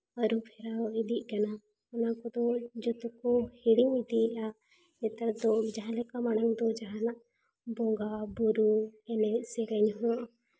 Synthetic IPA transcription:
əɾupʰɛɾaid̪iʔ̚ˀkana | ɔnakɔd̪ɔd͡ʒɔt̪ɔkɔhiɽimid̪ia | ɛt̪aɾd̪ɔd͡ʒaɦãlɛkamanaŋd̪ɔd͡ʒaɦãnaʔ | bɔŋɡabɔɾuɛnɛsɛɡɛɲɦɔ̃ʔ

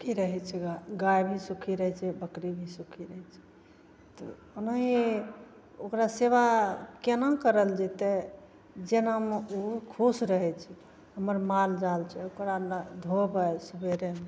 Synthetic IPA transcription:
kiɾəɦɛt͡ʃʰɛɡaɡajbʱisukʰiɾəɦɛt͡ʃʰɛbəkɾibʱisukʰiɾəɦɛt͡ʃʰɛ̥ | t̪ɔ̰ | onaɦi | okɾaseβakenakəɾəld͡ʒɛt̪ɛ | d͡ʒenɦəmukʰusɾəɦɛt͡ʃʰɛ | ɦəməɾmald͡ʒalt͡ʃʰɛokɾand̪ʱobəjsubʱeɾeme

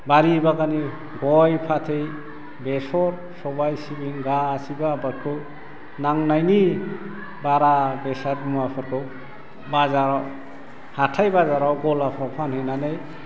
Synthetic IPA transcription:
baɾibaɡani | ɡɔjpʰatʰej | besɔɾ | sɔbajsibiŋɡasibabat̚kʰɯ | naŋnajni | baɾabesaɾmuapʰɔɾkɔw | bazaɾɔw | hatʰajbazaɾɔwɡɔlapʰɾɔwpʰanhenanej

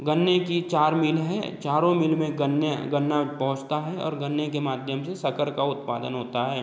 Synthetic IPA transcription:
ɡənːekit͡ʃaːɾmɪlɦɛ̰ːt͡ʃaːɾõmɪlmẽɡənɡɐnːapɐɦʊ̃t͡ʃt̪aɦɛɔ̰ːɾɡɐnːekemaːd̪ʱjəmsesɐkəɾkaʊt̪pa̰ːd̪ənɦoːt̪aɦɛː

